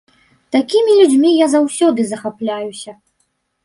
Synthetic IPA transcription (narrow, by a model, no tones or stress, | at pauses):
t̪akʲimʲilʲud͡zʲmʲijazawsʲɔd̪ɨzɐxaplʲajusʲɐ